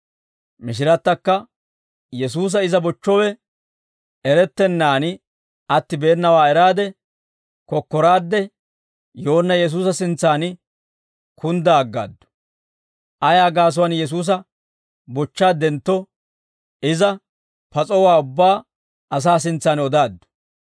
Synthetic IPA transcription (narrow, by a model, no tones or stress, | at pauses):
mɪʃ̬ɪɾɐt̪ːɐkːɐ | jɛs̬uːs̬ɐɪzɐbɔt͡ʃːɔwɛ | ɛɾɛt̪ːɛnːaːnɪ | ɐt̪ːɪbeːnːɐwaːɛɾaːd̪ɛ | kɔkːɔɾaːd̪ːɛ | joːnːɐjɛs̬uːsɐsɪnt͡sːaːn | kʰʊnd̪aɡːa̰ːd̪ːʊ̥ | ʔɐjaːɡaːs̬ʊwɐnjɛs̬uːs̬ɐ | bɔt͡ʃːaːd̪ɛnt̪ːɔ | ɪzɐ | pɐt͡sʼɔwaːʊbːaː | ɐs̬aːs̬ɪnt͡sːaːnɔd̪aːd̪ːʊ̥